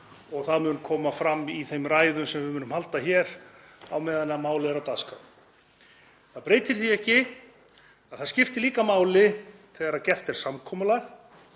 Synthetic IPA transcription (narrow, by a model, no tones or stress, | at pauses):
ɔɣθaðmʏːnʏmkʰɔːmafɾamːiθejmraːjðʏmsɛmvɪmʏːnʏmhalt̪açɛɾ | a̰wmɛːðanːamaːwlɪɛɾawt̪aska | θaðpɾeːjt̪ɪɾ̥θiɛhcɪ | aðθaðscɪft̪ɪliːkamaːwlɪθʰɛːɣaɾaðcɛr̥t̪ɛɾ̥samkʰɔːmʏlaɣ